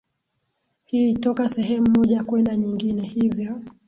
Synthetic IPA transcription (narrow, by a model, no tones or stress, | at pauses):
hiːtɔkasɛɦɛm̩ːɔʄakwɛndaɲiŋɡinɛhivjɔ